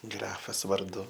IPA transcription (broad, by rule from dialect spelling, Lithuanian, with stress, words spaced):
ˈɡrɑːfɐs ʋɐrˈdʊ